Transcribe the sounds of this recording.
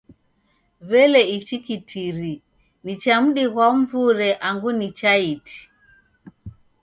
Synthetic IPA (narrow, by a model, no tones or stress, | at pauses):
βɛlɛit͡ʃikitʰiɾi | nit͡ʃam̩ɗiɣwaɱ̩vuɾɛʔaŋɡunit͡ʃaitʰi̥